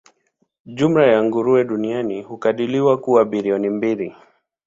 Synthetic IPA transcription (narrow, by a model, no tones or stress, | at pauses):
ʄum̩lajaŋɡuɾuɛɗunianihukaɗiliwakuwaɓiliɔnimbili